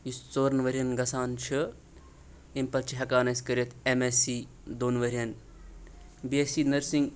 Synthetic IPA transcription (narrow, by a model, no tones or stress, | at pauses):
just͡soːɾnʋɐɾʲijɐnɡɐsaːnt͡ʃʰɨ | impɐlt͡ʃʰiɦɐkaːnɐsʲkɐɾʲjɐt̪ʰemesiː | d̪oːnʋɐɾʲiɐn | biesinɐɾsiŋɡ